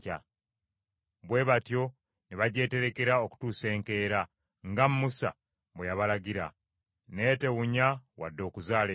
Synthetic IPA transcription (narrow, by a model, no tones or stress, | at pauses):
ca̰ | βwe̞ːβatjo̞ | niβaɟe̞ːte̞ɾe̞ke̞ɾao̞ku̥tuːse̞ːŋke̞ːɾa | ŋɡammusa̰ | βwejaβalaɟiɾa̰ | ne̞te̞ɣuɲawa̰dːo̞ːkuzaːle